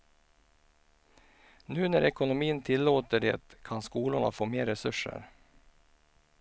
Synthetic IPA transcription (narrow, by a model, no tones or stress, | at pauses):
nʉ̟ːnæɾɛkʊnʊmiːənt̪ʰɪlːoːt̪əɖḛːt̪kʰanskuːlʊɳa̰foːmeːɾɛsɵʂːə̰ɾ